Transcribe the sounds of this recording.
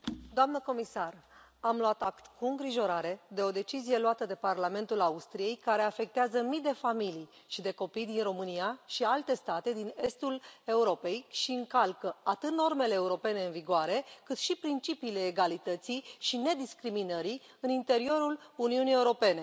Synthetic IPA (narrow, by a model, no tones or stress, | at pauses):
d̪oamnəko̞misar | amlwat̪akt̪kuɨŋɡɾiʒo̞ɾaɾe̞d̪e̞o̞d̪e̞t͡ʃizije̞loat̪əd̪e̞parlame̞nt̪ulaust̪ɾije̞jkaɾe̞afe̞k̚t̪eazəmid̪e̞familij | ʃid̪e̞ko̞pijd̪inro̞mɨniaʃialt̪e̞st̪at̪e̞d̪ine̞st̪ule̞uɾo̞pe̞jʃiɨŋkalkəat̪ɨt̪̚no̞rme̞le̞ːuɾo̞pe̞ne̞ɨnviɡoaɾe̞kɨt̪ʃipɾint͡ʃipiːle̞ːɡalit̪ət̪siʃine̞d̪iskɾiminəɾi | ɨnint̪e̞ɾio̞ɾuluniunije̞uɾo̞pe̞ne̞